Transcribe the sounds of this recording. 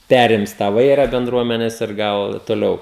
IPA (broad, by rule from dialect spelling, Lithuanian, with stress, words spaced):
ˈpʲæːrʲɪms tɑː ˈʋɐɪrɐ bʲɛnˈdruɔmʲɛnʲɛs ɪr ˈɡɐlˠ toːˈlʲɛʊ